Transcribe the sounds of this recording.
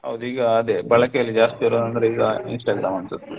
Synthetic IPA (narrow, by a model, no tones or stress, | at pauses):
ɦɐ̰ʋd̪uiːɡɐːd̪ebɐɭɐkejɐlːid͡ʒaːst̪iɐɾonɐnd̪ɐɾeiːɡɐinsʈɐɡɾaːmɐnt̪ɐd̪u